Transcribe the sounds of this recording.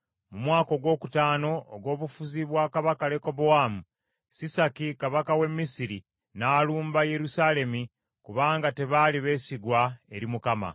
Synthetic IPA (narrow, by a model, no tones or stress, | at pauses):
mumwaːko̞ɡwo̞ːku̥taːno̞̰ːɡwo̞ːβufuziβwaːkaβakale̞ko̞bowaːmu | sisakikaβakawe̞mːisiɾi | naːluːmbaje̞ɾusale̞mi | kuβaːŋɡate̞βaliβe̞ːsiɡwae̞̰ɾimukama̰